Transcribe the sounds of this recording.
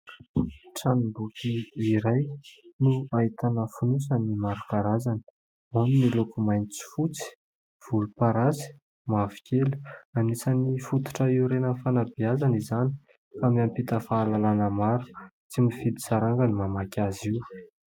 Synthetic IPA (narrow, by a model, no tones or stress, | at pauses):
ʈ͡ʂanibukʲʰiːɾajnuait̪anəfunusənimaɾukaɾazani̥ | aninilokumajnit͡si̥fut͡si̥ | v̥ulupaɾazi̥ | mavi̥kʲʰelu̥anisanifut̪u̥ʈ͡ʂəiuɾenəfanabiazanizani̥ | kamiampit̪əfaːlalanəmaɾu̥t͡simifid̪i̥saɾaŋɡanimamakʲaziw